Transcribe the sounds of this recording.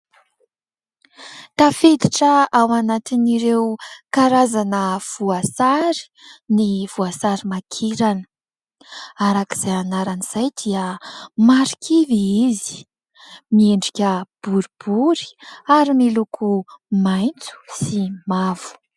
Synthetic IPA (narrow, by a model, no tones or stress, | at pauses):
t̪afed̪iʈ͡ʂəawanat̪iniɾewkaɾazanəv̥uasaɾi̥ | nivuasaɾimakʰiɾanə̥ | aɾaki̥z̥ajanaɾaniz̥ajd̪iəmaɾikʰʲiviizi̥ | mieɳɖ͡ʐikʲəb̥uɾib̥uɾi̥aɾimilukʰumajnt͡su̥simavu̥